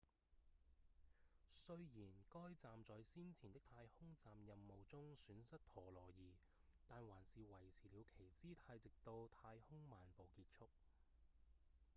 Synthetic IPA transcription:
sɵ˥ɥjiː˨˩nkɔː˥jt͡saː˨mt͡sɔː˨˧jsiː˥nt͡sʰiː˨˩nt̪ɪ˥k̚t̪ʰaː˧jhʊ˥ŋt͡saː˨mjɐ˨mːo˨wt͡sʊ˥ŋsyː˨˥nsɐ˥t̚t̪ʰɔː˨˩lɔː˨˩jiː˨˩ | t̪aː˨nwaː˨˩nsiː˨wɐ˨˩jt͡sʰiː˨˩liː˨˧wkʰe˨˩jt͡siː˥t̪ʰaː˧jt͡sɪ˨k̚t̪o˧wt̪ʰaː˧jhʊ˥ŋmaː˨npo˨wkiː˧t̚t͡sʰʊ˥k̚

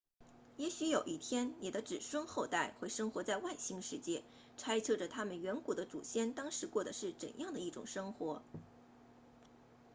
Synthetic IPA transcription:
jɛ˧˥ɕy˧˥jo˨˩ʊʔi˥˩t̪ʰjɛ˥nni˨˩d̪ə˦ʈ͡ʂɻ̩˨˩ʂwə˥nxo˥˧ʊt̪a˥˩ɪxwe˥˩ɪʂɤ˥ŋxwɔ˧˥t͡sa˥˧ɪwa˥˩ɪɕi˥ŋʂɻ̩˥˧t͡ɕjɛ˥˩ | ʈ͡ʂʰa˥ɪt͡sʰɤ˥˩ʈ͡ʂə˩t̪ʰa˥mə˨nɥɛ˧˥nku˨˩d̪ə˦ʈ͡ʂṵ˨˩ɕjɛ˥nt̪ɑ˥ŋʂɻ̩˧˥kwɔ˥˩d̪ə˩ʂɻ̩˥˩ʈ͡ʂə̰˨˩njɑ˥˩ŋd̪ə˩i˥˩ʈ͡ʂʊ̰˨˩ŋʂɤ˥ŋxwɔ˧˥

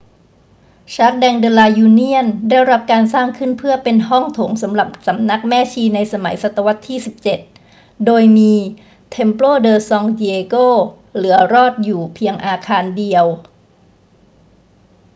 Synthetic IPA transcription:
t͡ɕʰaː˦˥k̚dɛː˧ŋdeː˧laː˧juː˧ni˥˩əndaː˥˩jɾa˦˥p̚kaː˧nsaː˥˩ŋkʰɯ˥˩npʰɯ˥˩ɐpe˧nɦɔ˥˩ŋt̪ʰo˩˦ŋsa˩˦mɾa˨˩p̚sa˩˦mna˦˥k̚mɛː˥˩t͡ɕʰiː˧na˧jsa˧ma˩˦jsa˨˩t̪ːa˧wa˦˥t̪ʰːiː˥˩si˨˩p̚t͡ɕe˨˩t̪̚ | doː˧jmiː˧ | t̪ʰe˧mploː˥˩dɤː˧sɔ˧ŋdi˧eː˧koː˥˩ | lɯ˩˦ɐɾɔː˥˩t̪̚juː˨˩pʰi˧əŋʔaː˧kʰaː˧ndi˧əw

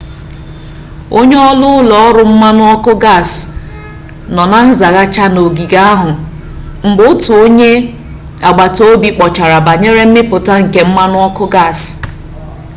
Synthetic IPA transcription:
o˦ɲe˦ɔ˦lʊ˦ʊ˦lɔ˨˦ɔ˦ɾʊ˨m̩˦ma˦nʊ˦ɔ˦kʊ˦ɡa˦˨s | nɔ˨na˨n̩˦za˨ɣa˦t͡ʃa˦no˨ɡi˨ɡa˦a˦ɦʊ˨ | m̩˨bʊ˦ʊ˦tʊ˨o˦ɲe˦ | a˨ɡ͡ba˨to˦bi˨k͡pɔ˨t͡ʃa˨ɾa˨ba˨ɲe˦ɾe˦m̩˦mɪ˦pʊ˨ta˦ŋ̩˨ke˦m̩˦ma˦nʊ˦ɔ˦kʊ˦ɡa˦˨s

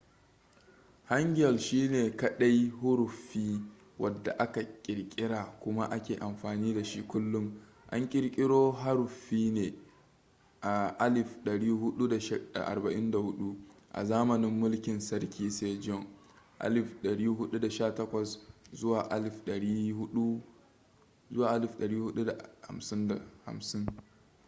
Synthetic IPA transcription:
ha˦ŋɡʲɪ˦jɐ˨lʃiː˦neː˨kɐ˦ɗa˦jɦʊ˦ɾʊ˨ɸːiː˦ | wʔɐ˨dːa˨ʔa˦ka˨kʲʼɪ˨ɽkʲʼɪ˦ɽaː˨kʷʊ˦ma˦ʔa˦kʲeː˨ʔa˨mɸaː˨niː˦da˨ʃi˦kʷʊ˦lːʊ˦ŋ | ʔa̰˦ŋkʲʼɪ˦ɾkʲʼɪ˦ɽoː˦ɦa˦ɾʊ˨ɸiː˦neː˨ | ʔa˨ʔa˦lɪ˨ɸɗɐ˨ɽiː˦ɦʊ˦ɗu˦da˨ʃda̰˨ʔa̰˨rbɐ˨ʔɪ˦nda˨hʊ˦ɗu˦ʔa̰˨zaː˦mɐ˨nɪ˦mːʊ˦lkʲɪ˨nsɐ˦ɽkʲiː˨seː˦d͡ʒɔ˦˨ŋ | ʔa̰˦lɪ˨fɗɐ˨ɽiː˦ɦʊ˦ɗu˦da˨ʃaː˦tɐ˦kʷɐ˨szʊ˦waː˨ʔa˦lɪ˨fɗɐ˨ɽiː˦hʊ˦ɗu˦ | zʊ˦waː˨ʔa˦lɪ˦˨fɗɐ˨ɽiː˦hʊ˦ɗu˦da˨ha̰˨msɪ˦nda˨ha̰˨msɪ˦ŋ

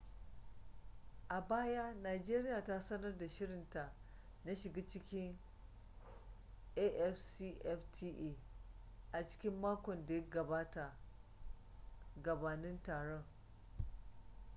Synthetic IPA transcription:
ʔa˨baː˦ja˦naː˨d͡ʒeː˦ɾɪ˦jaː˨ta˦sɐ˦nɐ˦rda˨ʃɪ˦ɽɪ˨nta˨ | na˦ʃɪ˨ɡaː˦t͡ʃɪ˦kʲɪ˦ŋ | ʔe˦ʔɛ˦fsi˦ʔɛ˦ftʰi˦ʔe˦ | ʔa˨t͡ʃɪ̥˦kʲɪ˦mːaː˦kʷɔ˨nda˨ja˦ɡɐ˨baː˦ta˨ | ɡɐ˨baː˨nɪ˦ntaː˨ɽɔ˦ŋ

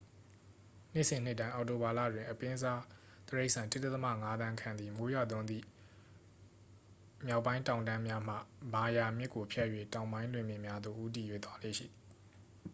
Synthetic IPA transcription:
n̥ɪ˦ʔsɪ̃˨n̥ɪ˦ʔtːã˦ɪ̃ʔɔ˨to˨ba˨la̰˦˨dwɪ̃˨ʔəpɪ̃˦za˦ | t̪əɹe˦ɪʔsʰã˨ntɪ˦tːɛ˦t̪əma̰˦˨ŋa˦d̪ã˦kʰã˨nd̪i˨mo˨˦ja̰˦˨d̪ʊ̃˦nd̪ḭ˦˨ | mja˦ʊpːã˦ɪ̃ntã˨ʊ̃ndã˦mja˦m̥ä̰˦˨ba˨ja˨mjɪ˦ʔkːo˨pʰjɛ˦ʔjwḛ˦˨tã˨ʊ̃mbã˦ɪ̃lwɪ̃˨mjɪ̃˨mja˦d̪o̰˦˨ʔu˦t̬i˨jwḛ˦˨d̪wa˦lḛ˦˨ʃḭ˦˨d̪

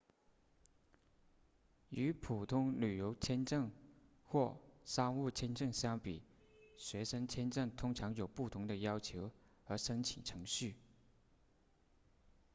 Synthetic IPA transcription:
y˧˥pʰu˨˩t̪ʰʊ˥ŋly˨˩jo˧˥ʊt͡ɕʰjɛ˥nʈ͡ʂɤ˥˩ŋ | xwɔ˥˩ʂɑ˥ŋu˥˩t͡ɕʰjɛ˥nʈ͡ʂɤ˥˩ŋɕjɑ˥ŋpḭ˨˩˦ | ɕɥɛ˧˥ʂə˥ŋt͡ɕʰjɛ˥nʈ͡ʂɤ˥˩ŋt̪ʰʊ˥ŋʈ͡ʂʰɑ˧˥ŋjo˨˩ʊpu˥˩t̪ʰʊ˧˥ŋd̪ə˧jɑ˥ʊt͡ɕʰjo˧˥ʊ | ə˧˥ʂə˥nt͡ɕʰi˨˩nʈ͡ʂʰɤ˧˥ŋɕy˥˩

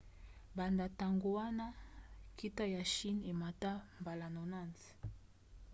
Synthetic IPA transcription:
ba˨nda˨ta˨ŋɡo˨wa˦na˦ki˦ta˦ja˨ʃi˦ne˨ma˨ta˦mba˨la˨nɔ˨na˦˨nz

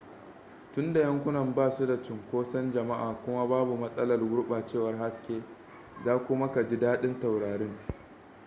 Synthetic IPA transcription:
tʊ˦nda˨jɐ˦ŋkʷʊ˦nɐ˨mbaː˦˨su˦da˨t͡ʃɪ˨ŋkʷoː˦sɐ˦nd͡ʒɐ˨ma˦ʔaː˨kʷʊ˦ma˦baː˦bu˨mɐ˦sʼɐ˦lɐ˨rɡʊ˦ɽɓaː˨t͡ʃeː˦˨wɐ˨rɦa˦skʲeː˦ | zaː˦kʷʊ˦ma˦ka˨d͡ʒi˦daː˦ɗɪ˦nta˨wɽaː˨ɽɪ˦ŋ

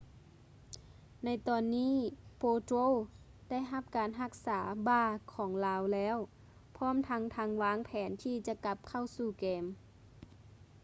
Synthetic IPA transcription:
na˧˥˩jt̪ɔː˨˩nːiː˧˥˨poː˧t̪o˧˥˨ | da˥˨jɦa˧˥p̚kaː˨˦nɦa˧˩k̚saː˩˦baː˧˩kʰɔː˩˦ŋlaː˧˥wlɛː˧˥˨w | pʰɔː˧˥˨mt̪ʰa˧˥ŋt̪ʰa˧˥ŋʋaː˧˥ŋpʰɛː˩˦nt̪ʰiː˧˩t͡ɕa˧ka˧˥p̚kʰa˧˩wsuː˧˩kɛː˨˦m

